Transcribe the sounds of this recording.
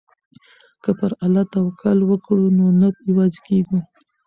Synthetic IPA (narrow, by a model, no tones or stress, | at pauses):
kəpəɾalɑt̪awkʰalwəkɽunonapɪwɑzekeɡu